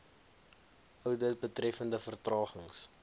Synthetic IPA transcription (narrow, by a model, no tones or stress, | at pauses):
ʔœwdət̚bətrɛfəndəfərtrɑːχəŋs